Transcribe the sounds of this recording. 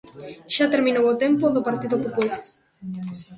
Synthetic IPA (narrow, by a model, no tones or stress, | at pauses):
ʃat̪eɾminowot̪empoðopaɾt̪iðopopulaɾ